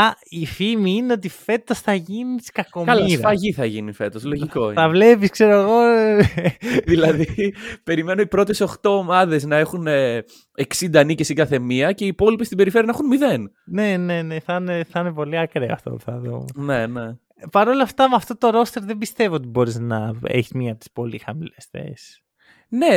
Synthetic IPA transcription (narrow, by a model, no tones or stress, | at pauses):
ɐifimiineo̞t̪̬ife̞t̪o̞sθɐʝiniskɐkomɐlɐsɾɐfɐʝiθɐʝinife̞t̪o̞slo̞ʝiko̞iɐvle̞piskse̞ɾoeɣo̞ | ðilɐðipe̞ɾime̞noipɾo̞t̪e̞so̞xt̪o̞ːmɐðe̞znɐe̞xune | eksind̪ɐːnicesikɐθe̞miɐceiːpo̞lipest̪ibe̞ɾifɾiɐnxunmiðe̞n | ne̞ne̞neθɐneθɐnepo̞liɐkɾeɐ̰ft̪o̰puθɐðṵmnene̞ | pɐɾo̞lɐft̪ɐmɐft̪ot̪oɾo̞st̪e̞ɾðembist̪e̞viot̪ibo̞ɾiznɐḛçi̥zmiɐp̚t̪i̥spo̞lḭxɐmilesθḛs | ne̞